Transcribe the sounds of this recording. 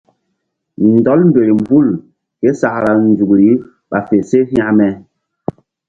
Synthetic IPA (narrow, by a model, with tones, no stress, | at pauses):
n̩˨dɔ˦lm̩˦be˨ɾi˨m˨bu˦˨l | ke˦sa˨kla˨n˨zu˨kɾi˨˦ | ɓa˨fe˨se˦fa˦mɛ˨